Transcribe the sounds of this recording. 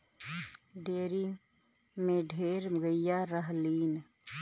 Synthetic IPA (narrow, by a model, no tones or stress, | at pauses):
ɖeːɾi | mẽɖʱeːɾməɡəjaɾəɦliːn